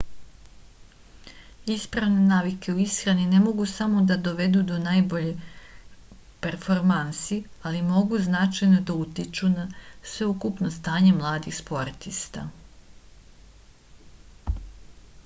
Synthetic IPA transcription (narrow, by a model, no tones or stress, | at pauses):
ispɾaʋne̞naːʋike̞uisxɾaninemo̞ɡusamo̞d̪ad̪o̞ʋe̞d̪ud̪o̞naːjbo̞ʎe | peɾfo̞ɾmansialimo̞ɡuznat͡ʃajno̞d̪aut̪it͡ʃunasʋe̞ukupno̞st̪aːɲe̞mlˠaːd̪ixspo̞ɾt̪ist̪a̰